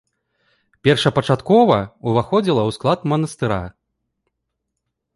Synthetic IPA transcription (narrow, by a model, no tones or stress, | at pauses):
pʲɛrʂɐpɐt͡ʂat̪kɔvɐuvaxɔd͡zʲilˠɐwsklˠat̪mɐnɐst̪ɨɾa̰